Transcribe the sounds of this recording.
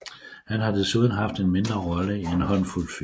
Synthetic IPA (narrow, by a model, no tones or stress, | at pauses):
hænɦɑ̈d̥e̝suðˠn̩ɦɑ̈fd̥enme̝nd̥ʁɐʁɒləienhɒ̽nful̰fi